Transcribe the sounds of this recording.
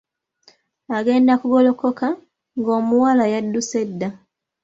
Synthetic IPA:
aɡe̞ːndakuɡo̞lo̞ko̞ka | ŋɡo̞ːmuwalajadːuse̞dːa

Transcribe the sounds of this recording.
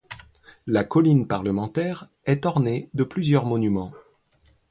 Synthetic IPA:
lakɔlinpaʁləmɑ̃t̪ɛʁ | ɛt̪ɔʁned̪əplyzjœʁmɔnymɑ̃

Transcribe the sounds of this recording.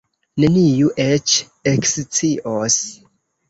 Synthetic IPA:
ne̞nijuʔet͡ʃ | ekst͡siʔos

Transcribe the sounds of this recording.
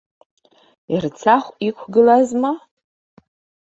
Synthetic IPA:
irt͡sʰaχʷikʷʰɡɨlazma

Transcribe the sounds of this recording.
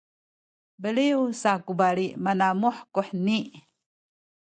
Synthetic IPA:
bəliusakubaliʔmanamuħkuħniʔ

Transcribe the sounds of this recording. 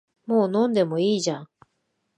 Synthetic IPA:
moːnõ̞nd̪e̞mo̞iːʑã

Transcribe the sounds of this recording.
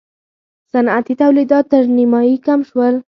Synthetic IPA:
sanat̪it̪awlid̪ɑt̪ːəɾnimɑikamʃwəl

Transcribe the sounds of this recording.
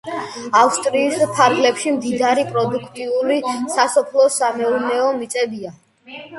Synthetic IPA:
afst̪ʼɾiːspʰaɾɡlɛpʃimd̪id̪aɾipʼɾɔd̪ukʰt̪ʼiulisasɔpʰlˠɔsamɛuɾnɛɔmit̪sʼɛbia

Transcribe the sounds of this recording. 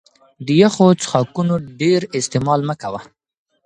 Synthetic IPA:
d̪əjaxot͡sə̥xɑkunoɖeɾɪst̪emɑlməkawa

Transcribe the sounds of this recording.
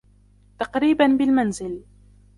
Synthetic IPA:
t̪ɑqɾiːbanbɪlmanzɪl

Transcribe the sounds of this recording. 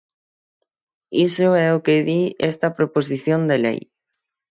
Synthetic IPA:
isʊɛʊkeðiɛst̪ɐpɾopos̬iθjond̪elḛj

